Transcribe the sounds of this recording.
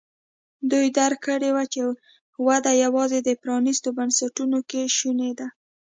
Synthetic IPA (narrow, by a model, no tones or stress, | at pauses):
d̪ujd̪aɾkəɽewat͡ʃe | wad̪ajawɑzed̪əpɾɑnist̪obansaʈunokeʃuned̪a